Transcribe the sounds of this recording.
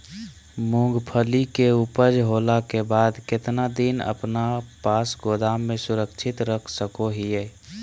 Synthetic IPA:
mũɡpʰəlikeupəd͡ʒɦoːlakebaːd̪kɪt̪nad̪inə̰pnapaːsɡod̪aːmːẽsʊɾəkt͡ʃʰɪt̪ɾəkʰsəkoɦijɛ

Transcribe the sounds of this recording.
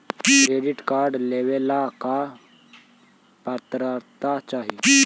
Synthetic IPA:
kɾeɖiʈkaɾɖleʋelaka | paɾt̪ɾaɾt̪at͡ʃaːɦi

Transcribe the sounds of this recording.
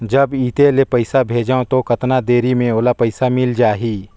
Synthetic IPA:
d͡ʒɐbiːt̪elepɐɪsabʱeːd͡ʒaõt̪okɐt̪nad̪eːɾimẽoːlapɐɪsamɪld͡ʒaːɦiː

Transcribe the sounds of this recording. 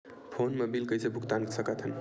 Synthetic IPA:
pʰonmebilkəjsebʱukt̪anksəkət̪ʰən

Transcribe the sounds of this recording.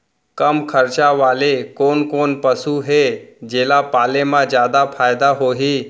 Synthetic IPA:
kəmkʰəɾt͡ʃaʋaːlekoːnkoːnpəsuɦed͡ʒeːlapaːlemãd͡ʒjaːd̪apʰaːjd̪aɦoːɦi

